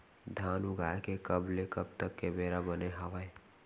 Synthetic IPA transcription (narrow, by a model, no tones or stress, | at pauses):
d̪ʱaːnuɡaekekəblekəbt̪əkːebeɾabəneɦaʋəj